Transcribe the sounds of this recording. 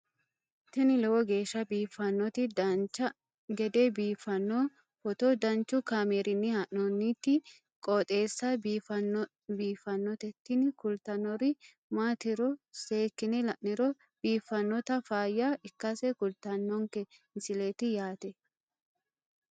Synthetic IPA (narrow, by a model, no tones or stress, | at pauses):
t̪ɛnɪlɛwɔɡe̞ːʃːɐbiːfːɐnːɔt̪ɪd̪ɐnt͡ʃːɐ | ɡɛd̪ebiːfːɐnːo | fɔt̪ɔd̪ɐnt͡ʃːʊkaːmeːɾɪnːɪhɐʔnɔnːit̪ːɪ | kʼɔːt̪ʼe̞ːsːɐbiːfɐn | biːfːɐnːɔt̪ɛt̪ːɪnkʊlt̪ɐnɔɾɪ | maːt̪ɪɾɔseːkːɪnɛlɐʔnɪɾɔ | b̥iːfːɐnːɔt̪ɐfaːjːaɪkːɐsɛkʊlt̪ɐnːɔŋkɛɪnsɪleːt̪ɪjaːt̪ɛ